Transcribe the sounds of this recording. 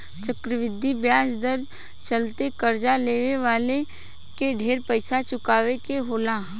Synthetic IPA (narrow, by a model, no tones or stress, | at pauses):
t͡ʃɐkɾəʋɪd̪ʱːibjaːsd̪əɾ | t͡ʃəlt̪ekɐɾd͡ʒaleːʋeʋaːle | keɖʱeːɾpəɪsat͡ʃʊkaːʋekeɦoːlaː